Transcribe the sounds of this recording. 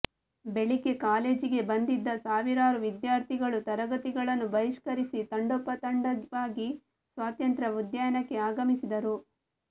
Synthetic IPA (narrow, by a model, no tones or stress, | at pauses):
be̞ɭike̞kaːle̞ːd͡ʒiɡe̞bɐnd̪id̪ːɐsaːʋiɾaːɾuʋid̪jaːɾt̪ʰiɡɐɭut̪ɐɾɐɡɐt̪iɡɐɭɐnːubɐɾiʂkɐɾisit̪ɐɳɖɔpːɐt̪ɐɳɖɐʋaːɡi | sʋaːt̪jɐnt̪ɾɐud̪jɐjɐnɐkːe̞aːɡɐmisid̪ɐɾu